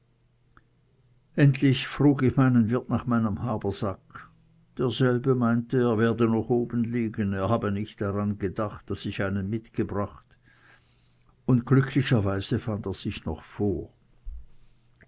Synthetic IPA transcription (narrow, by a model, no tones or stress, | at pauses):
ʔɛntlɪçfʁ̥uːɡɪçmaɪnənvɪɐtnaːχmaɪnəmhaːbɐz̥ak | d̥eːɐzɛlbəmaɪntəeːɐveːɐdənɔχʔoːbən̩liːɡəneːɐhaːbənɪçtd̥aʁanɡədaχt̚d̥asɪçaɪnənmɪtɡ̥əbʁaχt | ʊntɡ̥lʏkʰlɪçɐvaɪz̥əfandeːɐz̥ɪçnɔ̰χfoːɐ